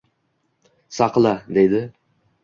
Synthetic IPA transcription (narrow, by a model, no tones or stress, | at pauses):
sɑqlˠad̪ejd̪ɪ